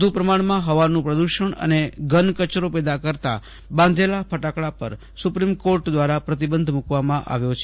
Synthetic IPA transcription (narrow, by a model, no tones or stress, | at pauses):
d̪ʱupɾəmaɳ̃mãɦəʋanũpɾəd̪uʃəɳə̰neɡənkət͡ʃɾopɛd̪akəɾt̪a̰ | bãnd̪ʱelapʰəʈakɭapə̰ɾ | supɾimkoɾʈd̪ʋaɾapɾət̪̬ibənd̪ʱmukʋamãʔa̰ʋjot͡ʃʰe